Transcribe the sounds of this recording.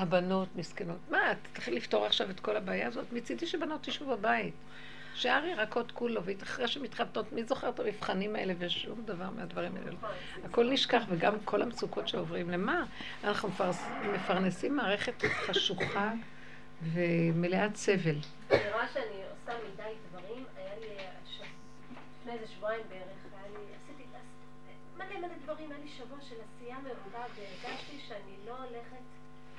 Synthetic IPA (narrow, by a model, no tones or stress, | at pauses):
habano̞tmiskeno̞tmattχilːifto̞ʁaχʃavetko̞labaːjaːzo̞tmit͡sidiʃebano̞tiʃuvbabait | ʃaʁiʁako̞tkulo̞veitaχʁeʃemitχato̞tmizo̞χe̞ʁtamifχanimaḛlevejeʃumd̪avaʁmeadvaʁima̰ʔḛle | ako̞lniʃkaχveɡamkʰo̞lhamsukʰo̞tʃeovʁimle̞ma | anaχnummefaʁnesimːaːʁe̞χe̞tχaʃuχa | ve̞meleat͡se̞ve̞l | niʁaʃeaniosamidajdvaʁimajaliaʃav | fnezeʃvoaimbeeʁeχajaliasitiaz | mademaledvaʁimajaliʃavuaʃelasiamevolaveeʁɡaʃtiʃeanilo̞ːleχet